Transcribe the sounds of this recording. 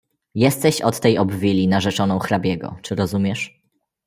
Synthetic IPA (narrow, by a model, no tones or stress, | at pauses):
jɛst̪ɛɕɔt̪ːɛjɔbvʲilʲinaʐɛt͡ʂɔnɔ̃w̃xɾabʲjɛɡɔ̰t͡ʂɘɾɔzumʲɛʂ